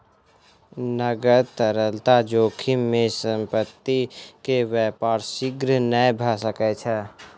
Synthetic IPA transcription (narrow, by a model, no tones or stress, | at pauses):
nəɡəɾt̪əɾəlt̪ad͡ʒoːkʰimẽsə̃mpət̪ːikeʋɛːpaːɾsɪɡɾnəbʱaːsəkɛt͡ʃʰɛ